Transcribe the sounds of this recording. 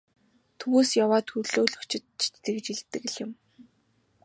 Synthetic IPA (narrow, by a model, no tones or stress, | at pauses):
t̪ʰɵwuːsjawaːt̪ʰɵrɮoːɮɵ̆kt͡ɕʰɪ̆t̪̚t͡ɕʰtːĕkt͡ɕiɮt̪ːɘ̆k̆ɮjɪ̆m